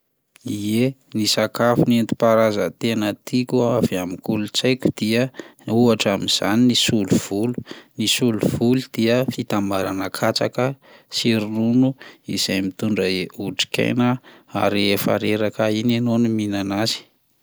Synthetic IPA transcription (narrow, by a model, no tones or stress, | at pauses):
ie | nisakafunent̪i̥paɾazət̪enət̪ʰikʲuavamikulut͡sajkʲu̥d̪̥iəuaʈ͡ʂaminz̥a̰ninisuluv̥ulu̥nisuluvulud̪̥iəfit̪ambaɾa̰nəkʰat͡sa̰kə | siɾununuiz̥ajmit̪uɳɖ͡ʐəeʔuʈ͡ʂi̥kʲa̰jnəa̰ɾefa̰ɾeɾakainenoniminanaz̥i̥